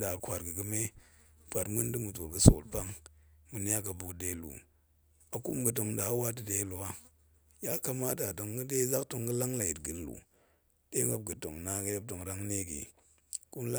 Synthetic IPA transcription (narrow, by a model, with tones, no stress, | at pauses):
da˨kʷa˨ɾɡi˨ɡɨ˨me˦pʷa˨tmu˦n˦di˦mu˨to˨ɡɨ˨so̰˨lpa˦ŋmu˨ni˦a˦ka˨bu˨kde˨˦lṵ˨ | a˨kṵ˦mɡɨ˨t̬o˨ŋda˨˦wa˦t̬ɨ˨de˦lo˨wa˦ | ja˦ka˧ma˦ta˨do˨ŋɡɨ˦de˦za˦kto˧ŋɡɨ˦la˦ŋla˨ji˨tɡi˨n˦lṵ˨ | de˦ɡa˦b̚ɡɨ˨to̰˨ŋna˨˦ka˦je˦p̚to˨ŋɾa˦ŋne˦ɡḭ˨ | ku˦nla˦